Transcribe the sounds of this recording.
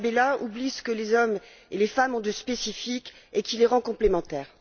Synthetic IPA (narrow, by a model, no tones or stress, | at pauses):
belaublisə̥kəlezɔm | elefamɔ̃d̪əspesifikekilːeʁɑ̃kɔ̃plemɑ̃t̪ɛːʁ